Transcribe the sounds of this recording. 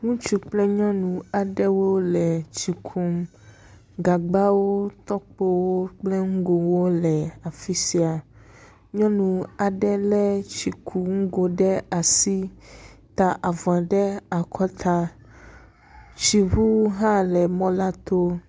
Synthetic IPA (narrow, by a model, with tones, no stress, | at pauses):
ŋũ˦t͡ʃu˦k͡plɛ˦ɲɔ̃˦nũ˨a˨ɖɛ˦wo˦lɛ˨t͡ʃi˨kʰu˦m | ɡa˨ɡ͡ba˦wo˦t̪ɔ˦k͡po˦wo˦k͡plɛ˦ŋ̩˦ɡo˨wo˦lɛ˨a˨fi˦si˨a˨ | ɲɔ̃˦nũ˨a˨ɖɛ˦lɛ˦t͡ɕi˨kʰu˨ŋ̩˦ɡo˨ɖɛ˦a˨si˦t̪a˨ʔa˨vɛ̃˨ɖɛ˦a˨kʰɔ˦t̪ʰa˦ | t͡ɕi˨ɦu˦ɦã˦lɛ˨mɔ̃˦la˦t̪o˦